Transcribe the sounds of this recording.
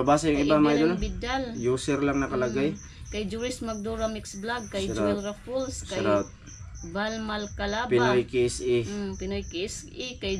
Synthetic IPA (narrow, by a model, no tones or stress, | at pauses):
ɐbaːsɐjʊŋʔɪbamajd̪olbɪd̪aljuːsɛɾlaŋnɐkɐlɐɡaj | kɐjd͡ʒuɾɪsmɐɡ̚d̪uɾɐmiksblaɡ̚kɐɾaɛlɾɐfulsskɐɾat̪̚ | balmalkɐlabpɪnojkisipɪnojkis | ikɐj